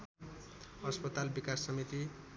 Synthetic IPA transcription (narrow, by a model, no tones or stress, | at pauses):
ʌspʌt̪albikasːʌmit̪i